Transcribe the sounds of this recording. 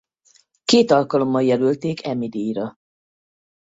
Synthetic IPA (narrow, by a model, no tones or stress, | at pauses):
keːt̪ɒlkɒlo̞mːɒjjɛlylt̪eːkʰɛmid̪ijɾɒ